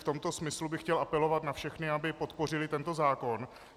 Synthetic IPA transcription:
ft̪o̞mt̪o̞smɪslubɪxcɛlʔapɛlo̞vat̪nafʃɛxnɪabɪpo̞t̪po̞rɪlɪt̪ɛnt̪o̞zaːko̞n

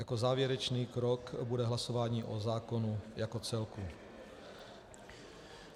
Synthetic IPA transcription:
jako̞zaːvjɛɾɛt͡ʃniːkɾokbudɛɦlaso̞vaːɲiːʔozaːko̞nujako̞t͡sɛlku

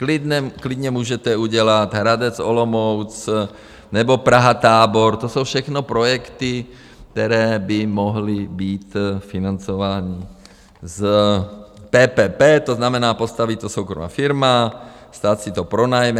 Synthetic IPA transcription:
klid̪ɛklid̪ɲɛmuːʒɛt̪ɛuɟɛlat̪ɦɾad̪ɛt͡sɔlɔmɔwt͡s | nɛbɔpɾaɦat̪aːbɔɾt̪osowfʃɛxnɔpɾɔjɛkt̪i | k̚t̪ɛɾɛːbimɔɦlibiːt̪finant͡sɔʋaːɲi | z | pɛːpɛːpɛːt̪oznamɛnaːpost̪aʋict̪ːɔsowkɾɔ̰ma̰ːfiɾma | st̪aːcsit̪ɔpɾonajm

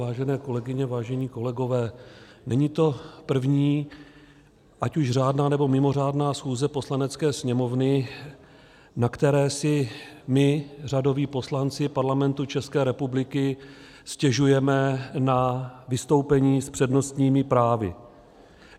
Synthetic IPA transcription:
aːʒɛnɛːko̞lɛɡɪɲɛvaːʒɛɲiːko̞lɛɡo̞vɛːnɛɲiːt̪o̞pr̩vɲiː | ʔacuʃr̝aːdnaːnɛbo̞mɪmo̞r̝aːdnaːsxuːzɛposlanɛt͡skɛːsɲɛmo̞vnɪ | nakt̪ɛɾɛːsɪmɪr̝ado̞viːpo̞slant͡sɪpaɾlamɛnt̪ut͡ʃɛskɛːɾɛpublɪkɪ | scɛʒujɛmɛnavɪst̪o̞wpɛɲiːspr̝̥ɛdno̞st̪ɲiːmɪpɾaːvɪ̰

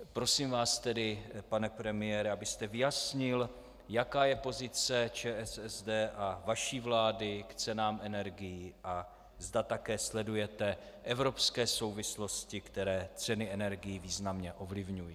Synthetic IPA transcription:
pɾo̞siːmvaːst̪ɛdɪpanɛpɾɛmɪjɛːɾɛabɪst̪ɛvɪjasɲɪl | jakaːjɛpo̞zɪt͡sɛt͡ʃɛːʔɛsɛzdɛːʔavaʃiːvlaːdɪkt͡sɛnaːmʔɛnɛɾɡɪjiːʔa | zdat̪akɛːslɛdujɛt̪ɛ | ʔɛvɾo̞pskɛːso̞wvɪslo̞scɪkt̪ɛɾɛːt͡sɛnɪʔɛnɛɾɡɪjiviːznamɲɛʔo̞vlɪvɲujiː

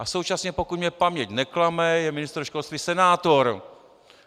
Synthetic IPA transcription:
ʔasowt͡ʃasɲɛpokut̪mɲɛpamɲɛɟnɛklamɛjɛmɪnɪst̪ɾʃkolst̪visɛnaːt̪o̞ɾ

